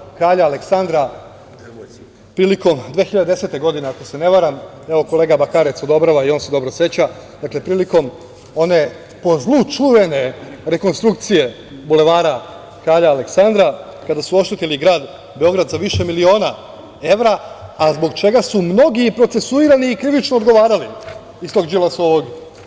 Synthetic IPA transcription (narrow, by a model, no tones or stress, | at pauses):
kɾaːʎaːle̞ksand̪ɾa | pɾiːliko̞md̪ʋeːxiʎad̪ed̪ese̞t̪eɡo̞d̪ine̞ako̞se̞ne̞ʋaɾam | e̞ʋo̞ko̞leɡabakaːɾe̞t̪so̞d̪o̞bɾaʋaio̞nse̞d̪o̞bɾo̞sʋe̞t͡ɕa | d̪akle̞pɾiːliko̞m | o̞ne̞ | po̞zlˠut͡ʃuʋe̞ne̞ɾe̞ko̞nst̪ɾuk̚t̪sije̞ | bule̞ʋaːɾa | kɾaːʎaːle̞ksand̪ɾa | kad̪asuo̞ʃt̪et̪eliɡɾaːd̪ | be̞o̞ɡɾad̪zaʋiʃe̞milio̞ːna | e̞ʋɾaːzbo̞ɡt͡ʃe̞ɡasumno̞ɡipɾo̞t̪se̞suiɾaniːkɾiʋit͡ʃnood̪ɡo̞ʋaːɾali | ist̪o̞ɡd͡ʒilasoʋoɡ